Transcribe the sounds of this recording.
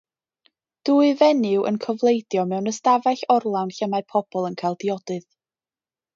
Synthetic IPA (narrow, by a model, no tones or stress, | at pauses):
d̥uːɨvɛnɨwʔə̰nkʰɔvlˠejdjɔmɛwnəstavaɬɔrlˠawnɬəmaɨpʰɔb̥ɔlˠənkʰajlˠdiɔdɨð